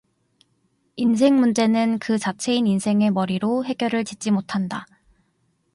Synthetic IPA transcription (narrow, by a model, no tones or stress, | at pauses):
ins̬ʰe̞ŋmund͡ʑe̞nɯnkɯt͡ɕat͡ɕʰe̞ininsʰe̞ŋe̞mʌɾiɾoɦe̞ɡ̥jʌɾɯɭt͡ɕit͡ɕ͈imotʰanda